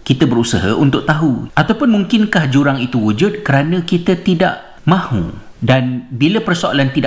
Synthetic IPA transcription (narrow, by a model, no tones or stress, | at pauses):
kit̪əbəɾusəɦə̰ʔunt̪ʊk̚t̪aɦuʔat̪awpʊnmuŋkɪnkahd͡ʒuɾaŋit̪uwud͡ʒud̚kəɾanə̃kit̪ət̪ida̰ʔ | mãhṵ | danbiləpərsoa̰lant̪ida